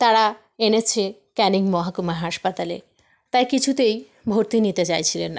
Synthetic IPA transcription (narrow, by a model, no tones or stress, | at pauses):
t̪aɾa | enet͡ɕʰe | kɛniŋmɔɦakumaɦaʃpat̪alḛ | t̪ajkit͡ɕʰut̪ej | bʱoɾt̪init̪et͡ɕajt͡ɕʰilenːa